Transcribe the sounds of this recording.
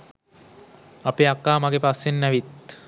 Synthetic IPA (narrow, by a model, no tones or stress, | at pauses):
apeakːaːmaɡepasjenːæʋit̪